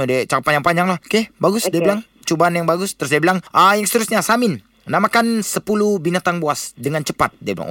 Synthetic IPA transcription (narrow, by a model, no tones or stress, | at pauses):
dɛt͡ʃakt̪paɲd͡ʒaŋpaɲd͡ʒaŋlahkehbaɡʊsdibilaŋ | t͡ʃubanjaŋbaɡʊst̪əɾʊs̬diɛbilaŋʔəjaŋsə̥t̪əɾʊsɲasamɪn | namakansəpulubinat̪aŋboasdəŋant͡ʃəpat̪̚diabila̰ŋ